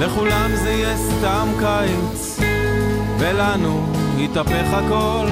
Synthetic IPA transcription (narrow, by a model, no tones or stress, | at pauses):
le̞χulamzejɛst̪amkajit͡s | velanunit̪ape̞χhako̞l